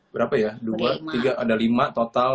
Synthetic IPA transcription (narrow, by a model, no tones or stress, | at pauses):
bəɾapajaduat̪iɡaʔːdalimat̪ot̪al